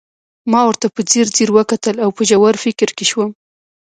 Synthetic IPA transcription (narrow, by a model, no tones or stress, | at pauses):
mɑwəɾt̪apəd͡ziɾd͡ziɾwəkat̪əlawpəʒawaɾfɪkɾkeʃwəm